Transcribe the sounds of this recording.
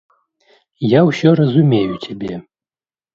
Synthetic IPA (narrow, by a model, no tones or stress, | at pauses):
jawsʲɔɾɐzumʲejut͡sʲabʲe